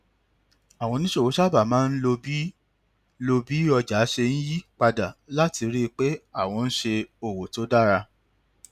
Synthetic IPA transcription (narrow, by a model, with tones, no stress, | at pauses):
a˨w̃ɔ̃˧nĩ˦ʃe˦˨wo˨˦ʃa˦ba˦˨mãː˦n̩˦lo˧bi˦ | lo˧bi˦ɔ˧d͡ʒa˨˦ʃe˧n̩˦ji˦k͡pa˧da˨la˦ti˧ɾi˦˧k͡pe˦a˦˨w̃ɔ̃˧n̩˦ʃe˧o˨wo˨to˨˦da˦˨ɾa˧